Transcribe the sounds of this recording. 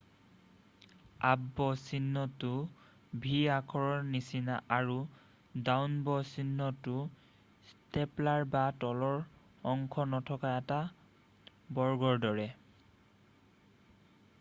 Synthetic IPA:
abːɔsinːɔtʊ | bʱiakʰɔɹɔɹnisinaʔaɹu | dawnbɔsinːɔtʊ | steplaɹbatɔlɔɹ | ɔŋkʰɔnɔtʰɔkaɛta | bɔɹɡɔɹdɔɹɛ

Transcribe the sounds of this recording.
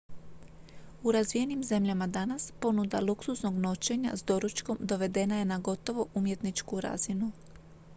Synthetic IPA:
uɾazʋije̞nimze̞mʎamad̪anaspo̞nud̪aluksusno̞ɡno̞t͡ʃe̞ɲa̰zd̪o̞ɾut͡ʃko̞md̪o̞ʋe̞d̪e̞naje̞naɡo̞t̪o̞ʋo̞ʔumje̞t̪nit͡ʃkuɾa̰zinu

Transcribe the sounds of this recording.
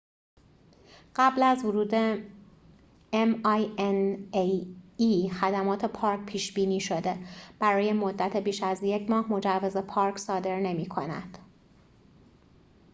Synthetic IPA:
ɢ̥æblæzvoɾuːd̪e | emjeneiːxæd̪æmɒːt̪ʰe̞pʰɒːɾc̚ʲpʰiːʃb̥iːniːʃo̞d̪e̞b̥æɾɒːje̞mo̞d̪ːæt̪ʰe̞biːʃæzje̞cʰmɒːhmo̞d͡ʒævːeze̞pʰɒːɾkʰsɒːd̪e̞ɾne̞miːkʰo̞næ̰d̪̥

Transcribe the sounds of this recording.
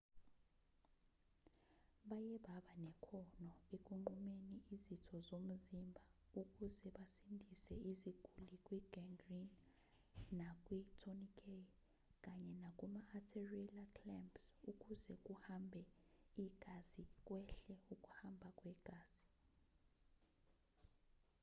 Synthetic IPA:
ɓajɛɓaɓanɛkʰɔnɔek̬ʼuŋ͡ǃumeniʔizitʰɔzom̩zimbʱa | uk̬ʼuzɛɓasindʱisɛiziɡ̥ʱulik̬ʼwiɡ̥ɛŋɡrinː | akʼwitʰonikʰʼe | k̬ʼaɲɛnak̬ʼumaːtʰerilakʰlɛmpsuk̬ʼuzɛk̬ʼuhambʱɛiɡ̥ʱazik̬ʼwɛɬɛuk̬ʼu̥hambʱak̬ʼwɛɡ̥ʱaːz̥i̥

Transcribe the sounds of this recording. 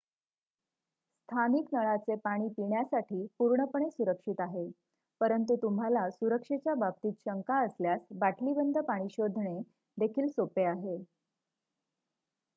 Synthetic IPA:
st̪ʰaniknəɭat͡sepaɽ̃iːpiɳjasaʈʰiːpuɾɳəpəɳ̃esuɾəkʂit̪aɦe | pəɾənt̪ut̪umɦalasuɾəkʂet͡ɕjabab̚t̪iːt̪ɕəŋkaəsljasbaʈlibənd̪ʱəpaɽ̃iːɕod̪ʱɳe | d̪ekʰiːlsopeaɦe

